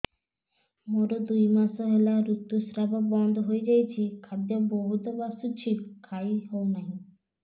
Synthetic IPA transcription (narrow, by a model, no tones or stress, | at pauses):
moɾod̪ujmaʃoɦelaɾut̪ːusɾababɔnd̪ʱoɦoed͡ʑajt͡ɕʰikʰad̪jaboɦut̪obasut͡ɕʰipkʰajɦɔwnai